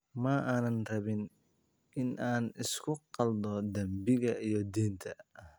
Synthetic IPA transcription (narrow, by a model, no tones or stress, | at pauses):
mɐʔaːnɐnrɐβɪn | ɪnʔaːnɪskʰʊqɑld̪ɔd̪ɐmbɪɣɐijɔd̪iːnt̪ʰɐ